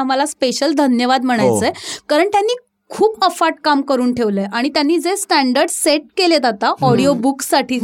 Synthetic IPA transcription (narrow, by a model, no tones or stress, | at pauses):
m̤alaspeɕəld̪ʱənjəʋad̪m̤əɽ̃ajt͡səekaɾəɳt̪janːiː | kʰuːpəfaʈ̚kamkəɾuːnʈʰeʋləʔaɽ̃it̪janːiːd͡zesʈæɳɖəɾɖseʈ̚keled͡z̪at̪aɔɽijobuksaʈʰiː